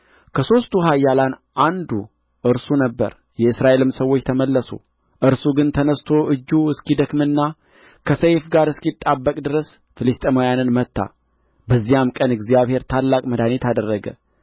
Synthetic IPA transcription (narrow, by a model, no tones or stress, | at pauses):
kʰəso̞st̪ʰuɦajːalanʔand̪u | ʔɨɾsunəbːə̰ɾ | jɛɨsɾaʔelɨmsəwo̞t͡ʃːt̪ʰəməlːəso̰ | ʔɨɾsuɡɨnt̪ʰənəst̪ʰo̞ʔɨd͡ʒːuɨskid̪əkmɨnːa | kʰəsəjfɡaɾɨskit̪ʼːabːəkʼd̪ɨɾəs | fɨlɨst̪ʼemojanɨnmət̪ːa̰ | bəzːijamkʼənɨɡzijaβhe̞ɾt̪ʰalːakʼməd̪anet̪ʰad̪ərːəɡə̰